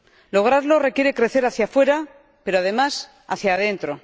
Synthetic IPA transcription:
lo̞ɣ̞ɾaðlo̞re̞kje̞ɾe̞kɾe̞θe̞ɾaθjafwe̞ɾa | pe̞ɾoað̞e̞mas | aθjað̞e̞nt̪ɾo̞

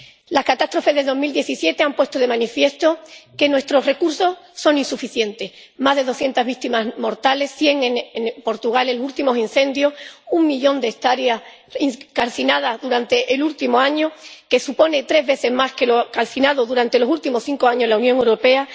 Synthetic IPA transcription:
laskat̪ast̪ɾo̞fe̞zðed̪o̞zmild̪je̞θisje̞t̪e̞ampwe̞st̪oð̞e̞mãnifje̞st̪o̞ke̞nwe̞st̪ɾo̞sre̞kuɾso̞sso̞nĩnsufiθje̞nt̪e̞s | mazðe̞ðo̞sθje̞nt̪azβikt̪imazmo̞ɾt̪ale̞sθje̞ŋenpo̞ɾt̪uɣ̞aleult̪imo̞sinθẽ̞nd̪jo̞suŋmiʎõ̞nd̪est̪aɾjas | ikalθinað̞azðuɾant̪e̞ʔelult̪imoaɲoke̞supo̞ne̞t̪ɾe̞zβe̞θe̞zmaske̞lokalθinað̞oðuɾant̪e̞lo̞sult̪imo̞sθiŋkoaɲo̞zlaunjoŋe̞wɾo̞pe̞a

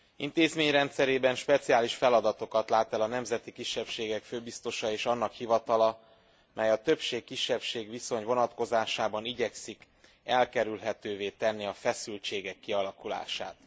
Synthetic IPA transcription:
ḭnt̪eːzmeːɲrɛnt̪sɛɾeːbɛnʃpɛt̪siaːliʃfɛlɒd̪ɒt̪o̞kɒt̪laːt̪ɛlɒnɛmzɛt̪ikiʃːɛpʃeːɡɛkføːbist̪o̞ʃɒeːʃɒnːɒkhivɒt̪ɒlɒ | mʔɛjɒt̪ø̞pʃeːkːiʃːɛpʃeːɡʋiso̞ɲvo̞nɒt̪ko̞zaːʃaːbɒniɟɛksik | ɛlkɛɾylɦɛt̪øːveːt̪ɛnːiɒfɛsylt͡ʃeːɡɛkːiɒlɒkula̰ːʃa̰ːt̪

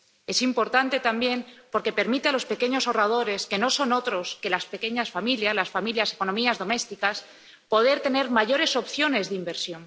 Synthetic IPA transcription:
e̞simpo̞ɾt̪ant̪e̞t̪ambje̞mpo̞ɾke̞pe̞ɾmit̪ealo̞spe̞ke̞ɲo̞so̞rað̞o̞ɾe̞ske̞no̞so̞no̞t̪ɾo̞ske̞laspe̞ke̞ɲasfamiljaslasfamiljase̞ko̞nomiazðo̞me̞st̪ikas | po̞ð̞e̞ɾt̪e̞ne̞ɾmaʝo̞ɾe̞so̞pθjo̞ne̞zðeimbe̞ɾsjo̞n

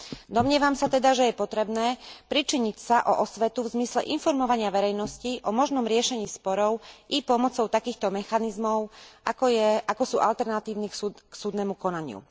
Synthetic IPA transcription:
d̪ɔmɲɪɛʋamsat̪ɛd̪aʒɛjɛpɔt̪ɾɛbnɛːpɾit͡ʃiɲicsaʔɔʔɔsʋɛt̪uvzmislɛʔinfɔɾmɔʋaɲɪaʋɛɾɛjnɔsciʔɔmɔʒnɔmɾɪɛʃɛɲiːspɔɾɔʊʔipɔmɔt͡sɔʊt̪akiːxt̪ɔmɛxanizmɔʊakɔɛakɔsuːʔalt̪ɛɾnat̪iːʊnikuksuːd̪nɛmukɔnaɲɪṵ

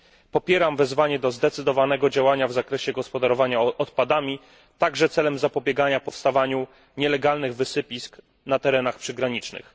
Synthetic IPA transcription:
pɔpʲjɛɾamvɛzvaɲɛd̪ɔzd̪ɛt̪sɘd̪ɔvanɛɡɔd͡ʑawaɲavzakɾɛɕɛɡɔspɔd̪aɾɔvaɲaɔt̪pad̪amʲi | t̪aɡʐɛt̪sɛlɛmzapɔbʲjɛɡaɲapɔfst̪avaɲu | ɲɛlɛɡalnɘɣvɘsɘpʲisk | nat̪ɛɾɛnaxpʂɘɡɾaɲit͡ʂnɘ̰x

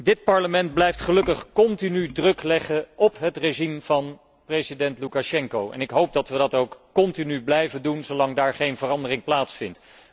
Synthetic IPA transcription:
dɪt̚pɑɹləmɛnt̚blɛjftχəlɵkəχkɔntinydrɵklɛχəʔɔpɦətreʒimv̥ɑn | prejzidɛntlukaʃɛŋkowʔɛ̰nɪkɦowp̚dɑtʋədɑtowkkɔntinyblɛjvəndunzowlɑŋdaːɹχejnvərɑndərɪŋplaːtsfɪnt

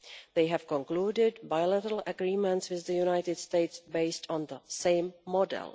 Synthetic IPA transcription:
ðejɦɛv̥kɔ̃ŋkluːdɪdbajlɛɾɾl̩əɡɾiːmɛ̃ntswɪððəjunajt̪ɪdsteɪtsbeɪstʰɔ̃nðəsẽɪmːɔdɛ̰lˠ

